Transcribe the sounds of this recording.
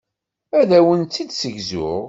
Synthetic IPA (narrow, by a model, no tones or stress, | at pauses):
æðæwənt̪ːid̪səʝzʊ̰ʁ